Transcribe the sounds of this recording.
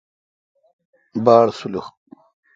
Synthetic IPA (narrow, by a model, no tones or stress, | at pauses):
baːɽsulux